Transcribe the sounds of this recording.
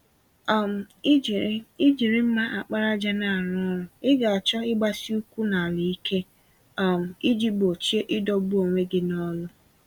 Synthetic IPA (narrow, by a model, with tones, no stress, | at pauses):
a˨m̩˨˦ | i˦d͡ʒi˨ɾɪ˦m̩˦ma˦ʔa˨k͡pa˦ɾa˦d͡ʒa˦na˨a˨ɾɔ˦ɾʊ˦ɪ˦ɡa˨a˨t͡ʃɔ˦ɪ˦ɡ͡ba˦si˦u˦kʷu˦na˨a˨li˨i˦ke˦ | a˨m̩˨i˦d͡ʒi˦bo˨t͡ʃe˦ʔɪ˦dɔ˦bu˦o˨ŋʷe˦ɡɪ˦nɔ˦lʊ˦